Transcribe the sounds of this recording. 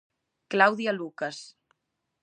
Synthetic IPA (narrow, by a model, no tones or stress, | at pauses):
klawðialukas